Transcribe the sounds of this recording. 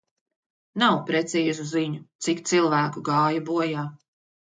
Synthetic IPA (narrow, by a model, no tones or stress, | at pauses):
nawpɾɛt̪siːzuziɲut̪sikt̪silˠvæːkuɡɑːjabuɔjaː